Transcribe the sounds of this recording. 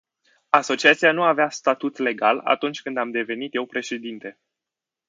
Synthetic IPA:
aso̞t͡ʃiat̪sianuaveast̪at̪ut̪le̞ɡala̰t̪unt͡ʃʲkɨnd̪amd̪e̞ve̞nit̪je̞wpɾe̞ʃe̞d̪int̪e̞

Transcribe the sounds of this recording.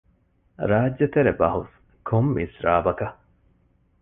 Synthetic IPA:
ɾaːdːet̪eɾebɐɦus | kʰomːisɾaːbɐkɐ

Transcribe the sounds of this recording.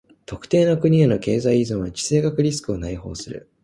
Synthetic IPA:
t̪o̞kɯ̟̥t̪e̞ːnokɯ̟ɲ̟ieno̞ke̞ːzaiizɨ̃ɰ̃ad͡ʑi̥se̞ːɡakɯ̟ɾʲisɨ̥kɯ̟o̞naiho̞̰ːsɨɾɯ̰

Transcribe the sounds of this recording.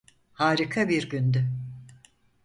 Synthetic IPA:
haːɾikʰabiɾɟynd̪y

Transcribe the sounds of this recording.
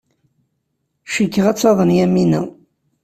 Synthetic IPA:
ʃəkːəʁæt͡sːˤɑðˤənjæminæ

